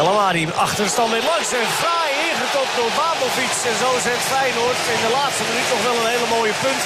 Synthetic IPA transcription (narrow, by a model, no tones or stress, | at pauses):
ɛlˠəmaːɾiɑχtərstɑndɛlɑŋsɛfraːjɪχəkɔpdʊɹbaːməlˠbiksɛnzowzɛntfɛjnotɪndəlaːtstəmɪnytnɔχʋɛlˠənɦejləmoːjəpɵnt